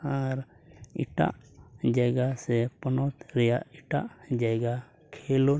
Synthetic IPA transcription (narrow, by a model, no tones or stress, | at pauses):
aɾ | ḭʈa̰ʔd͡ʒəɡasepənɔt̪ɾɛjaʔɪʈaʔd͡ʒaɡa | kʰelo